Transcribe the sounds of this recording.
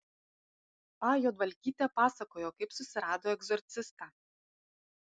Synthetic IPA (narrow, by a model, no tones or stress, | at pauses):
pɑjoːd̪ʋɐlʲkʲiːt̪ʲɛpɑːsɐkoːjokɐɪpsʊsʲɪɾɑːd̪oːɛɡzɔɾʲt̪sʲɪst̪ɑ